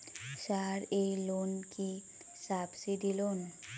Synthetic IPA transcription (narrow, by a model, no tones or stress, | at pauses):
ʃaɾejlonki | sabsid̪ilon